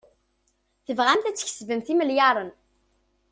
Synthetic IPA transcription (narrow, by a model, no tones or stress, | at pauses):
θəvʁæmθæt͡sːə̥ç̥svəmθiməljɑɾˤən